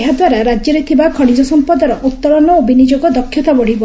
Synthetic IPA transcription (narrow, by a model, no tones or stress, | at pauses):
eɦad̪waɾaɾad͡ʒjɔɾet̪ʰibakʰɔɽ̃id͡ʒɔsɔmpɔd̪ɔɾɔʔut̪ːɔɾɔnɔobʱinid͡ʒoɡɔd̪ɔkʰːjɔt̪abɔɽ̤ibɔ